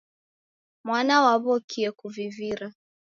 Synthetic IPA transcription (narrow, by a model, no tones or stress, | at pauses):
mwanawaβɔkʰiɛkuviviɾa